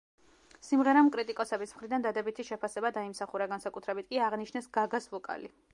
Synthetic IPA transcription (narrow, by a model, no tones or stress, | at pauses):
simʁɛɾamkʼɾit̪ʼikʼɔsɛbismχɾid̪and̪ad̪ɛbit̪ʰiʃɛpʰasɛbad̪aimsaχuɾaɡansakʼut̪ʰɾɛbit̪̚ʰkʼiaʁniʃnɛsɡ̥aɡasvɔkʼa̰li